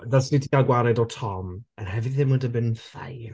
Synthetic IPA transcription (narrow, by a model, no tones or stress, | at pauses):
dasdidiaɡwaɾɛdɔtʰɔmənɦɛvɨθɪmwədəbɪnfa̰j